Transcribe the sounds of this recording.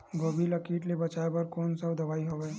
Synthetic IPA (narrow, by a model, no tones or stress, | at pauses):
ɡoːbʱilɐkiːʈlebɐt͡ʃaːebɐɾkoːnsəbd̪ɐʋaːiɦoʋeː